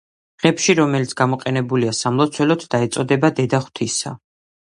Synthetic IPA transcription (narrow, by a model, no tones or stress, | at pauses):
ʁ̥ɛpʃiɾɔmɛlit̪sʰɡ̥amɔqʼɛnɛbuliasamlˠɔt̪sʰwɛlɔt̪ʰd̪aɛt̪sʼɔd̪ɛbad̪ɛd̪aχw̥t̪ʰisa̰